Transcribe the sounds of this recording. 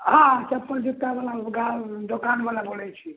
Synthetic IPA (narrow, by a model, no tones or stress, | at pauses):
ɦãt͡ʃəpːəɾd͡ʒit̪ːabalaɡad̪okanbalabolɛt͡ʃʰi